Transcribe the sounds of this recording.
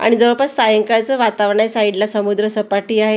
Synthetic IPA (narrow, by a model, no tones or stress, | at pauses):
a̰ɽ̃id͡zəʋəpəsajəŋkat͡səʋat̪aʋɳajsaiɖlasəmud̪ɾəsəpaʈiːaɦe